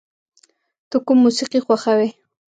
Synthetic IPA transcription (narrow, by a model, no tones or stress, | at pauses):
t̪ʊkumːusiqixwaxawe